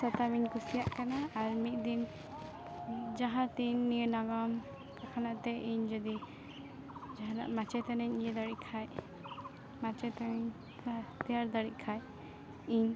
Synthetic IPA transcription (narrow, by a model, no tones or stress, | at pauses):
sɔt̪amiɲkusijaʔkanaːɾmit̪̚d̪in | d͡ʒaɦãt̪iɲːijənaɡɔm | kakʰanaʔt̪ɛiɲd͡ʒɔd̪i | d͡ʒaɦana̰ʔmat͡ʃɛt̪anɛɲnijəd̪aɽiʔkʰaj | mat͡ʃɛt̪aɛɲ | t̪ɛjaɾd̪aɽiʔ̚kʰaj | iɲ